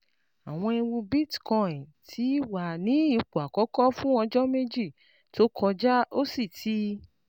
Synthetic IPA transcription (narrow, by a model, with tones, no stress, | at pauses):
a˨w̃ɔ̃˧i˧wũ˧bi˦˨tkɔ̃˧˨ĩ˨tʰi˨˦wa˨nĩ˨˦i˦˧k͡pu˨a˨kɔ˨˦kɔ˦fũ˦ɔ̃˧d͡ʒɔ˦me˦d͡ʒi˦˨ | to˦kʰɔ˧d͡ʒa˦o˦si˦˨tʰi˦